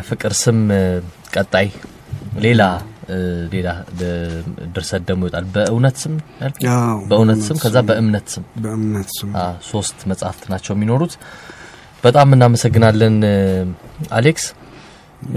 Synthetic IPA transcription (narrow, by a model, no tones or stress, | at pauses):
fɨkʼɨɾsɨm | kʼət̪ʼːaj | le̞la | le̞labəd̪ɨɾsəd̪ːəmjɔt̪ʼalbəʔɨwnət̪sɨmjalkʰbəɨwnət̪sɨmkʰəzːabəʔɨmnət̪sɨmbɨmnət̪aso̞st̪məsʼhaft̪nat͡ʃːɛwɛmino̞ɾut̪ | b̥ət̪ʼamːɨnːaməsəɡːɨnalːən | a̰leks